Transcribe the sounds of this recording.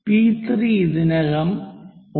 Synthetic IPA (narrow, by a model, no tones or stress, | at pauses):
piːt̪ɾiɪðɪnɐɣɐmɔ